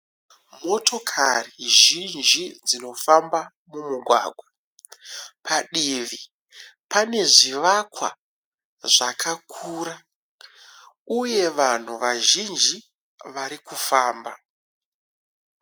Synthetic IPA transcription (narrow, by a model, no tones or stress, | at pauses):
mo̞tʰo̞kʰariʒind͡ʒid͡zino̞famba | mumuɡʱwa̰ːɡʱwa | pʰaɗiʋi | pane̞ʐiʋakwa̰ | ʐakʰakʰuːra | uje̞ʋan̤uʋaʒind͡ʒi | ʋaɾikufaːmba